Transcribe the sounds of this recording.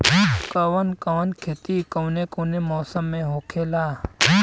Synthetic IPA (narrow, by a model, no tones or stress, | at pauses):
kɐʋənkɐʋənkʰeːt̪ikɐwnekonemɔːsəmːẽɦoːkʰeːlaː